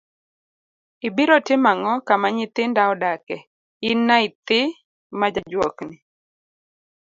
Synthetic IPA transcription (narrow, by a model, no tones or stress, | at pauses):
ibiɾɔtɪmaŋɔkamaɲɪt̪ɪndaɔdakɛ | ɪnːaɪt̪ɪ | mad͡ʒad͡ʒwoknɪ